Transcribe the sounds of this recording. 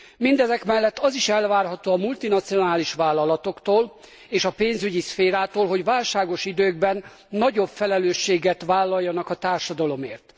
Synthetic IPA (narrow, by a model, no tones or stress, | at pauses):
mind̪ɛzɛkmɛlːɛt̪ːɒziʃɛlvaːrɦɒt̪oːɒmult̪inɒt̪sio̞naːliʃʋaːlːɒlɒt̪o̞kt̪oːl | eːʃɒpeːnzyɟisfeːɾaːt̪oːlɦo̞ɟʋaːlʃaːɡo̞ʃid̪øːɡ̚bɛnː | ɒɟo̞bfɛlɛløːʃːeːɡɛt̪ʋaːlːɒjːɒnɒkɒt̪aːrʃɒd̪ɒlo̞meːrt̪